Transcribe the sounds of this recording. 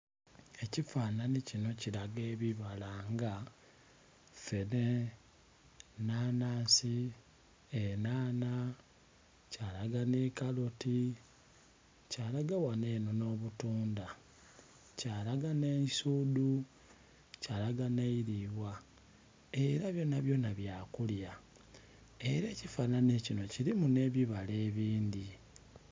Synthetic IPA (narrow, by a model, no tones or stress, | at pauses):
e̞cifaːnanicino̞ciɾaɡe̞ːβiβalaŋɡa | fene | naːnaːsi | enaːna | calaɡanekaloti | caːlaɡawane̞ːnono̞ːβutuːnda | caːlaɡanesudu | calaɡaneiɾiβwa | eɾaβjo̞ːnaβjo̞ːnaβjaːkulja | e̞ɾe̞ːcifaːnanecino̞ciɾimune̞ːβiβale̞ːβiːndi